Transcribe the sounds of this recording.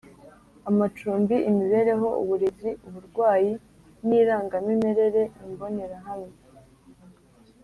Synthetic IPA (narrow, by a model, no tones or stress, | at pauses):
amat͡ʃuːmbiʔimiβe̞ːɾe̞ɦo̞ʔṵβuɾiziuβuɾɡwaːji | niːɾaːŋɡamime̞ɾe̞ɾe̞ʔimbo̞ne̞ɾaɦame